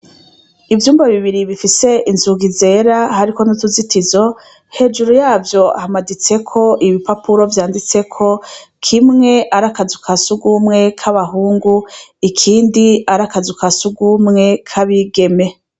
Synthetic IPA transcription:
ivjuːmbaβiβiɾiβifise̞ʔinzuɡize̞ɾahaɾiko̞nutuzitizo̞ | he̞d͡ʒuɾujaːvjo̞a̰hamadit͡se̞kʰo̞ʔiβipapuɾo̞vjaːndit͡se̞kʰo̞kʰimŋe̞ʔaɾakazukʰasuɡumŋe̞kʰaβaɦuːŋɡuikʰiːndiaɾakazukasuɡumŋe̞kʰaβiɡe̞me̞

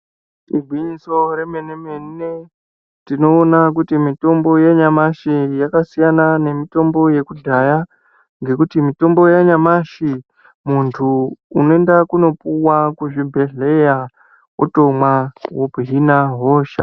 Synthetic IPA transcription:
iɡʱwiɲiso̞remenemenne | tino̞ːnak̬utimito̞mbo̞jaɲamaʃijakasijanane̞mito̞mbo̞je̞kuɮaja | ŋɡe̞kutimito̞mbo̞jaɲamaʃi | muntʰuːno̞e̞ndakuno̞puwakuʐibʱe̞ɮeja | wo̰to̞mwawobɦinaɦoːʃa̰

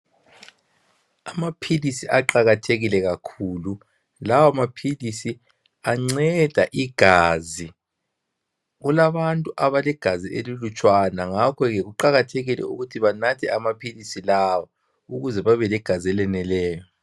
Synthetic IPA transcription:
amapʰilisiʔaǃaɣatʰeɣilɛɣakʰulu | lawamapʰilisi | aŋ͡ǀɛd̥ʱaʔiɡ̥ʱaːzi | ɣulaβantʼuʔaβalɛɡ̥ʱazielilut͡ʃʼwanaŋakʰɔɣɛɣuǃaɣatʰeɣilɛ̰ṵɣutʰiβanatʰɛamapʰilisilawɔ | uɣuzɛβaβɛlɛɡ̥ʱaziɛlɛnɛlɛːjɔ

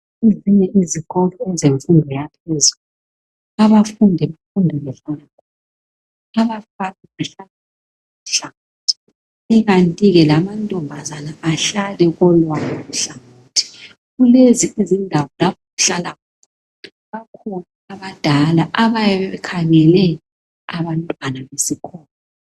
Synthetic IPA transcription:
eziɲɛʔiziɣɔlɔɛzeɱfundʱɔjapʰɛzul | aβafundʱɛβafundʱɛβɛɬalakʰɔ̥ːn | aβafanɛɣuɬalak | uɬaɣatʰi̥ | ɛɣantʼiɣɛlamantʼɔmbʱazanaʔːɬalɛɣɔlwakʰɔɣuɬaɣa | tʰi̥ | ɣuleziezindʱawɔlapʰoɣuɬalak̚ʰɔ | βakʰɔnaaβad̥ʱalaʔaβajɛβɛβɛkʰaŋɛlɛ | aβantʼwanaβesikʰɔːnɔ

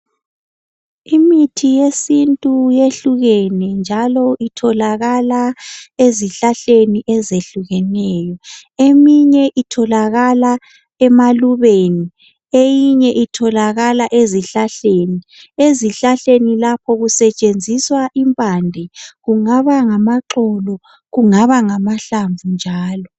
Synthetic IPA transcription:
imitʰijesintʼujeɬuɣɛnɛnd͡ʒʱalɔʔitʰɔlaɣalaeziɬaɬeniʔɛzeɬuɣɛnɛːjɔemiɲɛʔitʰɔlaɣala | ɛmaluβeːni | ejiɲɛʔitʰɔlaɣalaʔeziɬaɬeːni | eziɬaɬenilapʰɔɣusɛt͡ʃʼend͡zʱiswaʔimpʼandʱɛɣuŋaβaŋamaǁɔlɔ | ɣuŋaβaŋamaɬaɱvund͡ʒʱaːlɔ

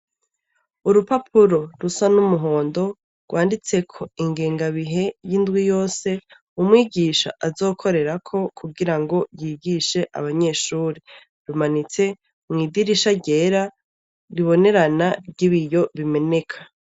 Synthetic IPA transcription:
uɾupapʰuɾo̞ɾusanumuɦo̞ːndo̞ | ɡwaːndit͡se̞kʰo̞iŋɡeːŋɡaβiɦe̞jindɡwijo̞ːse̞ | umŋiːɟiːʃa̰ʔazo̞ːkʰo̞ɾe̞ɾakʰo̞kʰuɡiɾaŋɡo̞jiːɡiʃe̞ʔa̰βaɲe̞ːʃuːɾi | ɾumanit͡se̞ | mŋiːdiɾiʃaɟe̞ːɾa | ɾiβo̞ne̞ɾanaɾɟiβijo̞βime̞ne̞kʰḁ

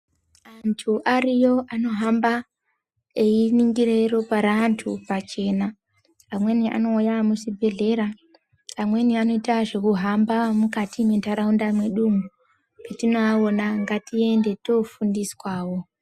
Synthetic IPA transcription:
antʰuʔarijo̞ʔano̞ɦamba | einiŋɡirero̞paɾantʰṵpat͡ʃe̞ːna | amwe̞niʔa̰no̞ujamusibʱe̞ɮe̞ɾa | amwe̞niano̞itaʐekuɦambamukatimwentaɾaundamwe̞ɗumu | petino̞ao̞naŋɡatie̞nde̞to̞fundiswaːwo̞

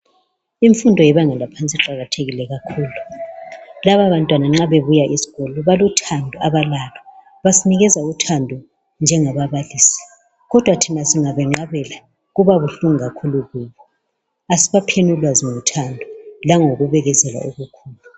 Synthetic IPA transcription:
iɱfundʱɔjɛβaŋɛlapʰant͡sʼiǃaɣatʰeɣilɛɣakʰuːlu | laβaβantʼwanaŋ͡ǁaβeβujaʔisi̥ɣɔlɔβalutʰandʱɔaβalalɔ | βasiniɣɛzautʰandʱɔ | nd͡ʒʱɛŋaβaβalisi̥ | ɣɔd̥ʱwatʰinasiŋaβɛŋ͡ǁaβɛla | ɣuβaβuɬuŋiɣakʰuluɣuːβɔ | asiβapʰenulwaziŋutʰandʱɔlaŋoɣuβɛɣɛzɛla̰oɣukʰuːlu

